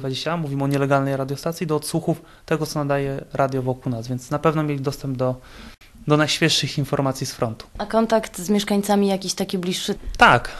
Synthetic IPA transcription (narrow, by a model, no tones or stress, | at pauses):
vad͡ʑeɕt͡ɕaamuvʲimɔɲɛlɛɡalnɛjɾad̪jɔst̪at̪sʲid̪ɔːt̪suxuf | t̪ɛɡɔt̪sɔnad̪ajɛɾʔad̪ʲjɔvɔkulnasvʲjɛnt̪snapɛvnɔmʲjelʲid̪ɔst̪ɛmb̚d̪ɔ | d̪ɔnajɕfʲjɛʂːɘxinfɔɾmat̪sʲjisfɾɔnt̪u̥akɔnt̪akt̪zmʲɛʂkaɲt̪samʲijakʲiɕt̪akʲiblʲiʂːɘt̪ak